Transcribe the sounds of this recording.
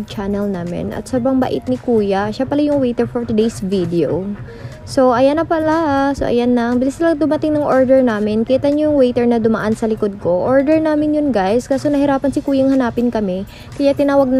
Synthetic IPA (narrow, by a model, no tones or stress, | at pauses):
t͡ʃanɛlnaːmɪ̰nʔɐ̰t̪̚sɐbɐŋba̰ʔɪ̰t̪̚nɪkuːjɐʃapɐlajʊŋwɛjt̪ɛɹfoɹt̪ɪd̪ejsvid̪ɛo | so̞ʔɐjanɐpɐlaaso̰ʔɐ̰janɐŋbɪlɪslɐŋd̪ʊmɐt̪ɪŋnɐŋʔoɹd̪ɛɹnaːmɪnkiːt̪ɐɲojʊŋwɛjt̪ɛɹnɐd̪ʊmɐʔansɐlɪkod̪̚ko̞ʔoɹd̪ɛɹnaːmɪnjʊnɡajskaːsonɐhɪɾaːpɐnsɪkuːjɐŋhɐnaːpɪnkɐmɛ | kɐjat̪ɪnaːwɐɡ̚n